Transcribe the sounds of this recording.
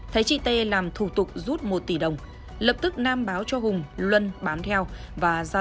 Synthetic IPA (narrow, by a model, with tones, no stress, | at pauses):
t̪ʰə˨˦jt͡ɕḭ˧˨t̪e˧laː˨˩mt̪ʰu˧˩t̪ʊ˨˩k͡p̚zu˦˥t̚mo˨˩t̚t̪i˧˩ɗə˨˩wŋ͡m | lə˨˩p̚t̪ɨ˦˥k̚naː˧mɓaː˨˦wt͡ɕɔ˧ɦʊ˨˩ŋ͡mlwə˧nɓaː˨˦nt̪ʰɛ˧w | vaː˨˩zaː˧